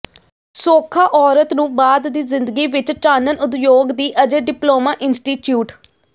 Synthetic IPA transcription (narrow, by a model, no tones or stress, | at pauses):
soːkʰaːʔɔːɾət̪nũːbaːd̪d̪iːzɪnd̪əɡiːʋɪt͡ʃt͡ʃaːnənʊt̪joːɡd̪iːʔəd͡ʒeːɖɪploːmaːʔɪnsʈiːʈjuːʈ